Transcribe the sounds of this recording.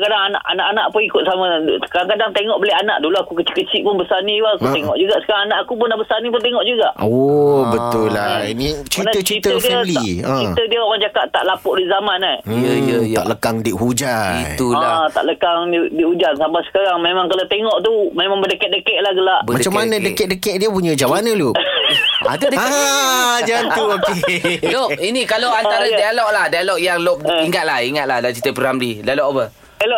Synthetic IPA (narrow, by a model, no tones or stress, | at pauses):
kadaŋana̰ʔa̰naʔanaʔpʊŋikʊt̪̚samãkadaŋkadaŋt̪eŋɔʔbəlɛana̰ʔduluakukət͡ʃi̥kːət͡ʃiʔpʊnbəsanĩbaakut̪eŋɔ̰ʔd͡ʒuɡaʔsə̥kaɾaŋanaʔakupʊnlahbəsanip̬ʊnt̪̬eŋɔʔd͡ʒuɡaʔobət̪ʊlːainit͡ʃinat̪ət͡ʃit̪ədiəliə̃it̪ədiəokand͡ʒakaʔt̪a̰ʔlapʊʔdiʔzamanajəjt̪a̰ʔləkaŋdiʔɦud͡ʒait̪ulat̪a̰ʔləkaŋdidiud͡ʒansampasə̥kaɾaŋmemãŋkalat̪eŋɔʔt̪umemaŋbədəkɛt̪̚dəkɛʔlahɡəlaʔbəmadət͡ʃamːanə̃dəkɛʔ̚dəkɛʔ̚diəpuɲəd͡ʒawanə̃lu | a̰t̪udəa | d͡ʒanuokelop̚inikaloant̪aɾadaalɔk̚lahdaalɔk̚jaŋlop̚iŋat̪̚lahiŋat̪̚lahdat͡ʃit̪əpəɾamlidaalɔʔbə | elo